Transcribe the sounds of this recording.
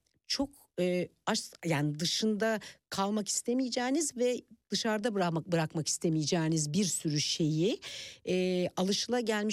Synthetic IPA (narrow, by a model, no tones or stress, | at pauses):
t͡ʃʰo̞k | ɯːaʃjaːnid̪ɯʃɯnd̪akʰalˠmaki̥st̪ʰemijid͡ʒɛːnizvɛd̪̥ɯʃaɾd̪abɾabɯɾakmaki̥st̪ʰe̞mijid͡ʒɛːnizbiɾsyɾyʃe̞jiɛːalˠɯʃɯlˠaɟælʲmiʃ